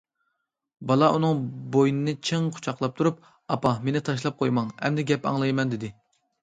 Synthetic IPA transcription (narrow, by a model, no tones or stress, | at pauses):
bɑlˠɑʔunɨŋbojnɨnɨt͡ʃʰeŋqʰʊ̥t͡ʃʰɑqlˠɑp̚t̪ʰuɾup̚ | ɑpɑmenɪt̪ʰɑʃ̬lˠɑp̚qʰojmɑŋhɛ̰md̪ɛɡʲɛpɑ̰ŋlˠɨjmɛnd̪ɪd̪ɪ